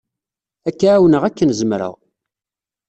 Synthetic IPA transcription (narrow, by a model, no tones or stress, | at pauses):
ækːaʕawənəʁækːənzəmɾə̰ʁ